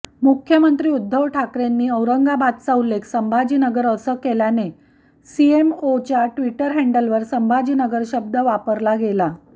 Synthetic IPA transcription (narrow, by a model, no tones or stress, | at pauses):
mukʰjəmənt̪ɾiːud̪ʱːəʋʈʰakɾenːiːəwɾəŋɡabad̪̚t͡saulːekʰsəmbʱad͡ʑiːnəɡəɾəsəkeljane | siemot͡ɕjaʈʋiʈəɾɦɛɳɖəlʋəɾsəmbʱad͡ʑiːnəɡəɾɕəb̚d̪ʱəʋapəɾlaɡela